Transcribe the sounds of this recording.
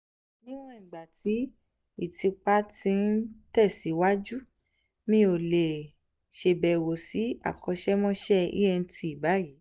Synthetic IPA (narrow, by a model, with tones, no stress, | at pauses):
nĩ˦w̃ɔ̃˦ĩ˨ɡ͡ba˨ti˨˦ | i˦˨ti˧k͡pa˦tĩ˧˦n̩˦tɛ˦˨si˨˦wa˦d͡ʒu˦ | mĩ˦o˨le˨ | ʃe˧bɛ˨wo˨si˨˦a̰˦˨kɔ˧ʃɛ˦mɔ̃˦ʃɛ˦ḭ˦jɛ˧n̩˧tʰi˧i˨ba˨˦ji˨˦